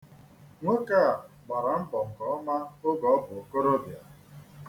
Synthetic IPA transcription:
ŋʷe˦ka˦˨a˨ | ɡ͡ba˨ɾa˨m̩˦bɔ˨ŋ̩˨kɔ˨˦ɔ˦ma˦o˦ɡɔ˨ɔ˦bʊ˨o˨ko˦ɾo˦bja̰˨

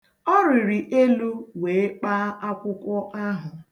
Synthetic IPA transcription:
ɔ˦ɾɪ˨ɾi˨ʔe˦lu˦we˨e˦k͡pa˦ʔa˦kʷʊ˦kʷɔ˦ʔa˦ɦʊ˨

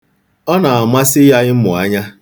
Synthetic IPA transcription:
ɔ˦na˨a˨ma˦sɪ˦ja˦ɣɪ˦m̩˦mʊ̰˨a˦ɲa˦

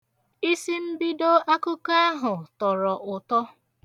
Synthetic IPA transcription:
i˦si˦m̩˦bi˦do˦a˦kʊ˦ka˦a˦ɦʊ˨tɔ˨ɾɔ˨ʔʊ˨tɔ˦

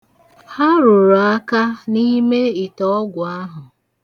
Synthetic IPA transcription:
ha˦ɾʊ˨ɾo˨a˦ka˦ni˦me˦i˨tɔ˦ɔ˦ɡʷʊ˨a˦ɦʊ˨

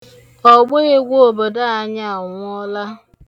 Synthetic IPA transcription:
ɔ˨ɡ͡bo˦e˦ɡʷo˦o˨bo˨da˦a˦ɲa˦a˨ŋʷ˦ɔ˦la˦

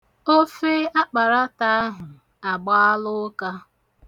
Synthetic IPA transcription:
o˦fe˦a˦k͡pa˨ɾa˦ta˨a˦ɦʊ˨ | a˨ɡ͡ba˦a˦lʊ˦ka˦

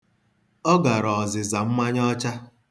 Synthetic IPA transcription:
ɔ˦ɡa˨ɾɔ˨zɪ˨za˨m̩˦ma˦ɲ˦ɔ˦t͡ʃa˦

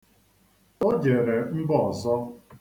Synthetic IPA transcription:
o˦d͡ʒe˨ɾe˨m̩˦bɔ˦˨ɔ˨zɔ˦

